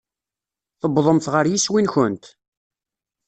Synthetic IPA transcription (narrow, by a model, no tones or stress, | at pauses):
θəbðˤəmθʁəɾjiswinçʊnt̪